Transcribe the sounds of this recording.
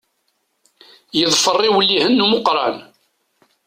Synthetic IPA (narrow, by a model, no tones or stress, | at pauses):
jəðˤfərˤːɪwlːihənːuməqɾˤɑ̰n